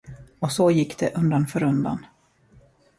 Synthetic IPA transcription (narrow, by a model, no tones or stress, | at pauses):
ɔsojɪkːd̪ɛʔɵnd̪anfœːɾɵnd̪a̰n